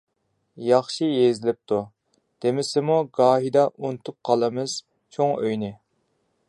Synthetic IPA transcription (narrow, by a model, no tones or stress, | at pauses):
jɑχʃijezɪlɪp̚t̪ʰu | d̪̥emɪsɪmuɡɑːɦid̪ɑʔunt̪ʰup̚qʰɑlˠɨmɨz̥ | t͡ʃʰoŋøjnɪ